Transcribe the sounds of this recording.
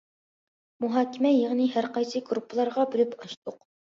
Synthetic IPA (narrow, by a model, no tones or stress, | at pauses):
muɦɑːkʲʰɪmɛjeʁnɨɦæɾqɑjsɨɡɾupʰːəlˠɑɾʁɑbylypɑʃt̪ʊq